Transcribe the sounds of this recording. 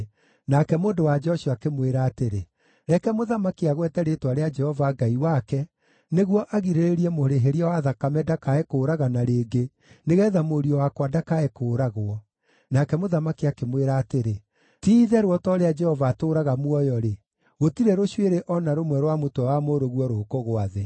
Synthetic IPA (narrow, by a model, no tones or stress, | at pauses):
nakɛmoːndowad͡ʒɛɔʃiakemweɾaːteɾe | ɾɛkɛmoðamakiaɣwɛtɛɾetwaɾead͡ʒɛhɔvaɡaiwakɛ | neɣwɔʔaɣiɾeɾeɾiɛmoɾeɦeɾiawaðakamɛdakaɛkoːɾaɣanaɾeːɡe | neɣɛðamoɾiɔwakwadakaɛkoːɾaɣwɔ | nakɛmoðamakiakemweɾaːteɾe | tiːðɛɾwɔtɔːɾead͡ʒɛhɔvaːtoːɾaɣamwɔjɔɾe | ɣotiɾeɾoɕweɾeʔɔnaɾomwɛɾwamotɔwamoɾoɣwɔɾokoɣoaðe